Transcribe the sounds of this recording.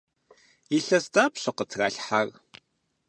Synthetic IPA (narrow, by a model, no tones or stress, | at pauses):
iɬɐzdaːpɕʷɐqətʰɣa̰ːɬħar